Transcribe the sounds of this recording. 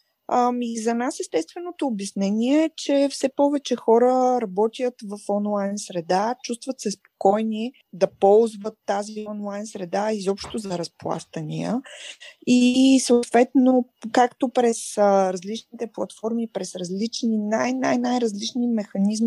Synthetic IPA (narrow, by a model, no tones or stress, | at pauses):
amizɐnasɛst̪ɛst̪vɛnot̪oːbjɐsnɛnʲiɛt͡ʃɛfsɛpɔvɛt͡ʃɛxɔɾəɾɐbɔt̪ijət̪vɐfɔnlˠajnsɾɛd̪at͡ʃust̪vət̪sɛspo̥kɔjni | d̪ɐpɔlˠzvət̪ːaziɔnlˠajnsɾɛd̪aizɔpʃt̪ozɐɾɐsplˠa̰st̪ənḭə̰ | isoʊt̪v̥ɛt̪nokakt̪opɾɛsəɾɐzlit͡ʃnit̪ɛplˠɐt̪fɔɾmipɾɛsɾɐzlit͡ʃninajnajnajɾɐzlit͡ʃnimɛxɐnizmi